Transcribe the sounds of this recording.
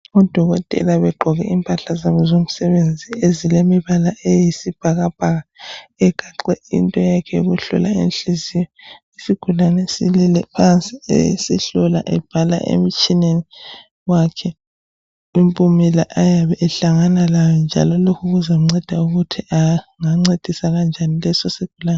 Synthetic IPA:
ɔd̥ʱɔɣɔtʼɛ̰laβɛɡ͡ǃʱɔɣɛ̰impʼaɬazaβɔzom̩sɛβend͡zʱiezilemiβalaʔejisib̥ʱaɣab̥ʱaɣaɛɡ̥ʱaǃɛḭntʼɔjakʰɛjo̰ɣuɬṵla̰ḛnɬizijɔ | isiɡ̥ʱulanɛsililɛpʰant͡sʼiḛḭsiɬɔla̰ʔɛb̥ʱala̰ʔḛm̩t͡ʃʼineni | wakʰɛ | impʼumilaʔajaβɛʔɛɬaŋanalajɔnd͡ʒʱa̰lɔlokʰuɣuzam̩ŋ͡ǀɛd̥ʱauɣutʰiʔaŋaŋ͡ǀed̥ʱisanand͡ʒʱanilɛsɔsiɡ̥ʱulaːnɛ

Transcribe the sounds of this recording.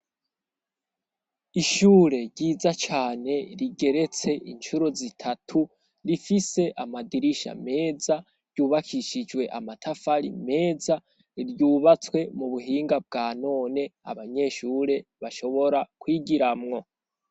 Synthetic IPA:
iʃuːɾe̞ɾɟiːzat͡ʃaːne̞ɾiɡe̞ɾe̞t͡se̞ʔint͡ʃuɾozitʰatʰu | ɾifise̞ʔamadiɾiʃa̰me̞ːza | ɾɟuːβakʰiʃid͡ʒwe̞ʔamatʰafaɾḭme̞ːza | ɾɟuːβat͡swe̞muβuɦiːŋɡab̚ɡaːno̞ːne̞a̰βaɲe̞ːʃuɾe̞βaʃo̞βo̞ɾakwiːɡiɾamŋo̞

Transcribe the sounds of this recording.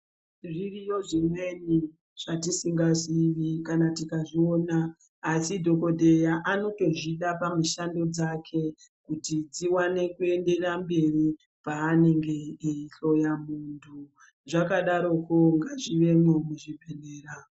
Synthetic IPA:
ririjo̞ʐimweni | ʐ̥atisiŋɡaʐiʋikanatikaʐio̞ːnaː | sidʱo̞ko̞dʱe̞jaʔano̞to̞ʐiɗapamuʃando̞d͡zakʰe̞ | kutid͡ziwane̞kue̞nde̞rambe̞ri | paːne̞ŋɡe̞iɬo̞jamuntʰu | ʐakaɗaɾo̞koŋɡaʐiʋe̞momuʐipeneːra

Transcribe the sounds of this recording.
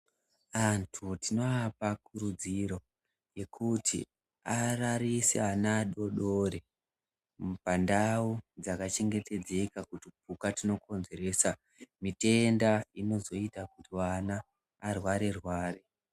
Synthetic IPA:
antʰutino̞apakuɾud͡ziɾo̞ | je̞kʰutʰḭ | araɾiseanaɗo̞ɗo̞ɾe̞ | pandaud͡zakat͡ʃe̞ŋɡe̞te̞d͡ze̞kakutip̚ukatino̞ko̞nze̞ɾe̞ːsa | mite̞ndaino̞zo̞itakutiwanaː | rwaɾerwaːre

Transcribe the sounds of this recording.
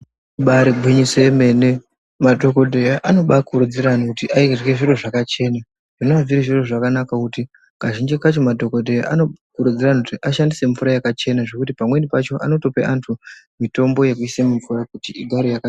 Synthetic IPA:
ɓaɾiɡʱwiɲiseme̞ne | madʱo̞ko̞dʱejaʔano̞ɓakuɾud͡ziɾanokutiʔairɡeʐiro̞ʐakat͡ʃe̞ːna | ʐ̥inoaviɾiʐiro̞ʐakanakakuti | kaʒind͡ʒikat͡ʃo̞madʱo̞ko̞dʱeja̰ʔano̞kuɾud͡ziranakutiʔaʃandise̞ɱvuɾajakat͡ʃe̞naʐe̞kutipamwe̞nipat͡ʃo̞ʔa̰no̞to̞peʔantʰumito̞mbo̞je̞kuisemuɱvuɾakutiiɡʱaɾejaka

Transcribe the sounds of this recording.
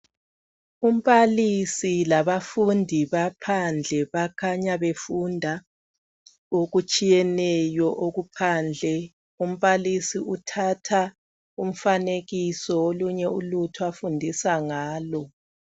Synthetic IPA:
um̩βalisilaβafundʱiβapʰand͡ɮʱɛβakʰaɲaβefundʱa | oɣut͡ʃʼijɛnɛjɔʔoɣupʰand͡ɮʱɛ | um̩βalisiʔutʰatʰa | um̩faneɣisɔoluɲɛulutʰuafundʱisaŋaːlɔ

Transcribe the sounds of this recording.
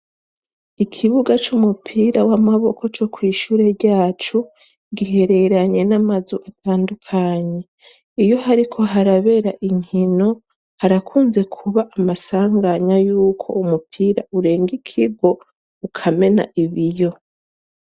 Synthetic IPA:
ikʰiβuɡat͡ʃumupʰiːɾawamaβo̞ko̞t͡ʃo̞kwiːʃuːɾe̞ɾɟaːt͡ʃu | ɡiɦe̞ɾe̞ɾaɲe̞namazoʔatʰaːndukʰaɲe̞ | ijo̞ɦaɾikʰo̞ɦaɾaβe̞ɾaʔiŋ̥ino̞ | haɾakʰuːnze̞kʰuβaʔamasaːŋɡaɲajuːkʰo̞̰umupʰiːɾa̰ʔuɾe̞ːŋɡikʰiɡo̞ | ukʰame̞na̰ʔiβijo̞

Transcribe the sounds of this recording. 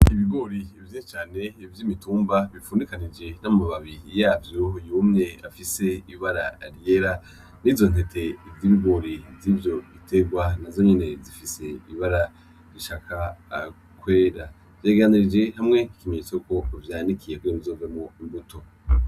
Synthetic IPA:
iβiɡo̞ɾiivjiʃet͡ʃaːne̞ivjimituːmbaβifuːndikanid͡ʒe̞namumaβaβijaːvjojuːmɲe̞afise̞iβaɾa̰ɾje̞ɾa | nivzo̞n̥he̞tʰe̞ivjiːβiɡo̞ɾivjiːvjo̞βitʰe̞ɡwanazo̞ɲene̞zifise̞iβaɾa | ɾiʃakʰaː | kwe̞ːɾa | v̥jaːɡeaniɾid͡ʒe̞hamŋeikimeɲet͡souko̞vjanikʰijekuɾimizoːvemuimbuto̞

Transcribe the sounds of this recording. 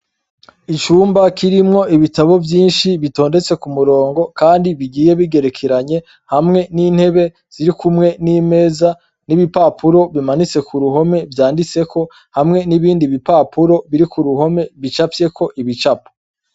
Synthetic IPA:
it͡ʃuːmbakiɾimŋo̞iβitaβo̞vjiːnʃiβito̞ːnde̞t͡se̞kumuɾo̞ːŋɡo̞kaːndiβiɡiːje̞βiɡe̞ɾekʰeɾaɲe̞ | hamŋe̞niːn̥he̞βe̞ | z̥iɾikumŋe̞niːme̞ːza | niβipaːpuɾo̞βimanit͡se̞kuɾuɦo̞me̞vjaːndit͡se̞kʰo̞ | hamŋe̞niβiːndiβipapuɾo̞βiɾikuɾuɦo̞me̞βit͡ʃafje̞kʰo̞ʔiβit͡ʃapo̥

